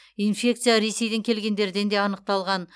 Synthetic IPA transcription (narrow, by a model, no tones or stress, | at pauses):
infʲe̞k̚t̪sijaɾe̞se̞jd̪eŋkʲʰe̞lɡʲe̞nd̪e̞ɾd̪e̞nd̪e̞ɑnəq̚t̪ɑlˠʁɑn